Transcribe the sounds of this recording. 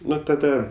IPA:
ˈnʊ tɐˈdɐ

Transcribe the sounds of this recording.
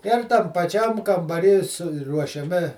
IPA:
ɪr tɐm pɐˈt͡ʃʲɛm kɐmbɐˈrʲiː sʊruɔʃʲɛˈmʲɪ

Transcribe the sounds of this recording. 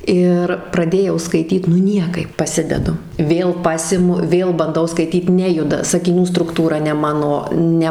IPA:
ˈɪr prɐˈdʲeːjɛʊ skɐɪˈtʲiːt nʊ ˈnʲiɛkɐɪp pɐˈsʲɪdʲɛdʊ ˈʋʲeːlˠ ˈpɑːsʲɪmʊ ˈʋʲeːlˠ bɐnˈdɐʊ skɐɪˈtʲiːt ˈnʲæːjʊdɐ sɐkʲɪˈnʲuː strʊkˈtuːrɐ nʲɛ ˈmɑːnoː ˈnʲɛ

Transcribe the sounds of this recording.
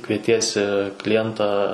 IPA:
kʋʲiɛˈtʲiɛsʲɪ klʲɪˈjɛntɑː

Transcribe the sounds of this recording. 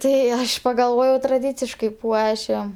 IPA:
ˈtɐɪ ˈɐʃ pɐɡɐlˠˈʋoːjɛʊ trɐˈdʲiːt͡sʲɪʃkɐɪ ˈpuɔʃʲɪm

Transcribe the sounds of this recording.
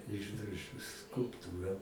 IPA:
ˈɪʒdroːʒʲʊ skʊlˠpˈtuːrɐ

